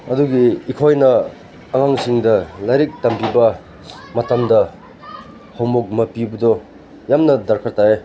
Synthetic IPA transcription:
ɐduɡiːkʰojnɐː | ŋaŋsiŋdɐlajɾik̚tɐmpibɐ | mɐtɐmdɐ | hawmok̚mɐpibɐdɔ | jamnɐdɐɾkʰɐɾtae

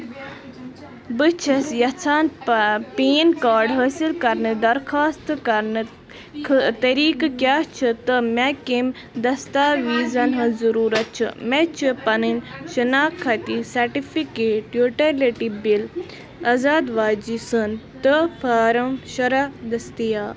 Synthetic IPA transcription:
bɨt͡ʃʰɐsjɐt͡sʰaːnpeːnkaːɾɖɦəːsilkɐɾnɨd̪ɐɾxʰaːst̪kɐɾnɨ | kʰt̪ɐɾiːkkʲjaːt͡ʃʰɨt̪əmekim | d̪ɐst̪aːʋiːzɐnɦɐzɐɾuːɾɐt̪̚t͡ʃʰɨ̰met͡ʃʰɨpɐnɨnʃinaːkʰːɐt̪isɐɾʈifikeːʈjuːʈɐleʈibil | ɐzaːd̪ʋaːd͡ʒisənt̪əpʰaːɾɐmʃɐɾad̪ɐst̪ijaː

